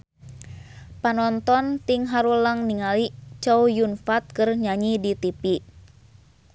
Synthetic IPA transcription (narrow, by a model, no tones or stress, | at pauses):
panɔnt̪ɔnt̪iŋɦaɾuləŋniŋalit͡ʃɔujunfat̪̚kərɲaɲidit̪ipi